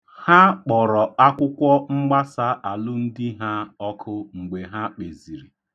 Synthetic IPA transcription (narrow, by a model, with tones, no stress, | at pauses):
ha˦k͡pɔ˨ɾɔ˨a˦kʷʊ˦kʷɔ˦ŋ͡m̩˦ɡ͡ba˦sa˦ʔa˨lʊ˦n̩˦dɪ˦ɦa˦ɔ˦kʰʊ˦ŋ͡m̩˨ɡ͡be˨ɦa˦k͡pe˨zi˨ɾi˨